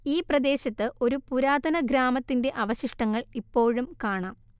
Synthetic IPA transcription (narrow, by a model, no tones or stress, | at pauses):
iːprɐd̪e̞ːɕɐt̪ːɨʔo̞ɾupuɾaːd̪ʱɐnɐɡɾaːmɐt̪ːinde̞ʔɐʋɐɕiʂʈɐŋːɐɭipːo̞ːɻumkaːɳaːm